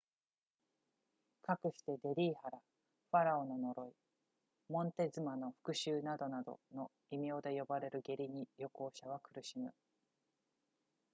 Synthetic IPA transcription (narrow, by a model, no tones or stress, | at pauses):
kakɯ̟ɕi̥t̪e̞d̪e̞ɾʲiːhaɾa | ɸaɾao̞no̞no̞ɾo̞i | mõ̞nt̪e̞zɨmano̞ɸɯ̥kɯ̟ɕɨːnad̪o̞nad̪o̞̰no̞ | imʲio̞ːd̪e̞jo̞baɾe̞ɾɯ̟ɡe̞ɾʲiɲ̟ijo̞ko̞ːɕaβakɯ̟ɾɯ̟ɕimɯ̟